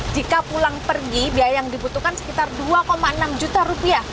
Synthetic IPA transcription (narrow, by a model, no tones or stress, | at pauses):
d͡ʒikapulaŋpərɡibiajaŋdibut̪ukansə̥kit̪arduakomaənamd͡ʒut̪aɾupiah